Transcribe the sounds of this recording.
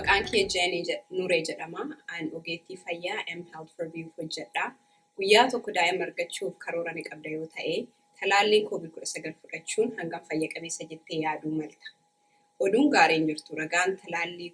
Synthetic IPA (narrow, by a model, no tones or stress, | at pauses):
bɐkʼaːŋkiɐd͡ʒɐnnʊɾeːd͡ʒɛᶑɐmaɐnɔɡeːt̪ːiːfɐjːaːʔɛmhɛlt̪fɛɾbiuhɔd͡ʒːɛᶑaː | ɡ̥ʊjːaːt̪ɔkːɔd̪aːʔɛmːɐɾɡɐt͡ʃːuːfkʰɐɾoːɾɐnɪkʼɐb̚d̪ɐjo̞ːt̪ʰɐʔeː | t̪ʰɐlaːlːiːŋkoːbiːkʊᶑɐsɐɡɐlfʊᶑɐt͡ʃːuːnhɐŋɡɐmfɐjːɐkʼɐbe̞ːsːɐd͡ʒɛt̪ːeːjaːd̪uːmɐlt̪ɐ̥ | ʔɔd̪uːŋɡaːɾeːnd͡ʒɪɾt̪ʊɾɐɡaːnt̪ʰɐlaːlːiː